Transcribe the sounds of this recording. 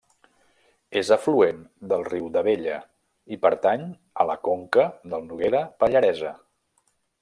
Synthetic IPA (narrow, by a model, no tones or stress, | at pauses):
ezəfluend̪əlˠriwðəβeʎə | ipəɾt̪aɲ | ələkoŋkəðəlˠnuɣeɾəpəʎəɾɛzə